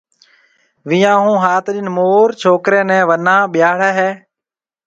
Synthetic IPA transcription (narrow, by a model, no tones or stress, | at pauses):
ʋɪjãːɦũːɦaːt̪ɗɪnmoːɾt͡ʃʰoːkɾẽːnɛ̃ːʋənãːɓɪjaːɽɛːɦɛː